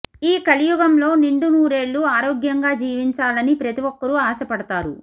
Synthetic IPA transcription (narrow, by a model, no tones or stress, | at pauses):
iːkɐlijuɡɐmlo̞ːniɳɖunuːɾe̞ːɭːuaːɾoːɡjɐŋɡaːd͡ʒiːʋiɲt͡ʃaːlɐnipɾɐt̪iʋɔkːɐɾuaːsɐpɐɽɐt̪aːɾṵ